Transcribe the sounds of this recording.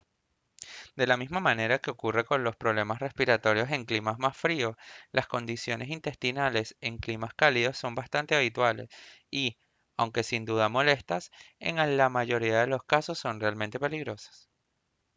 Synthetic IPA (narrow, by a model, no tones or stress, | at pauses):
d̪e̞lamizmamane̞ɾake̞okure̞ko̞nlo̞spɾo̞β̞le̞masre̞spiɾat̪o̞ɾjo̞se̞ŋklimamasfɾio̞lasko̞nd̪isjo̞nʔe̞sint̪e̞st̪inale̞se̞ŋklimaskaliðo̞sːo̞mbast̪ant̪e̞aβ̞it̪wale̞̰si | awŋke̞sind̪uðamo̞le̞st̪asḛŋalamaʝo̞ɾiaðe̞lo̞skaso̞sːo̞nrealmẽnt̪e̞pe̞liɣɾo̞sḁs